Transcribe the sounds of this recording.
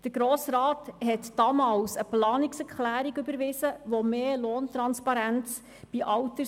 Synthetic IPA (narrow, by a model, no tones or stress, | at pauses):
d̥əɾɡ̥ɾoːsɾɑːthɛtd̥ɑmɑːlsəplɑːniksɛɾklæːɾiɡʏbəɾʋɪsəʋomeːloːnt̪ɾɑnspɑɾænt͡s | b̥iʔɑwtə